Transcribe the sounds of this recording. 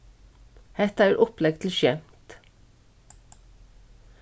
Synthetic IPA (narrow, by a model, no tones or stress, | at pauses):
hɛt̪əæːɾʔɔplɛɡt̪ʰl̩ʃjɛmt̪